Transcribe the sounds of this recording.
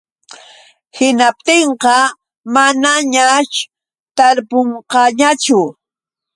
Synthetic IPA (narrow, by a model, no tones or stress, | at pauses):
hɪnap̚t̪eɴqɑ | manaɲaʃ | t̪aɾpoɴqɑɲat͡ʃʊ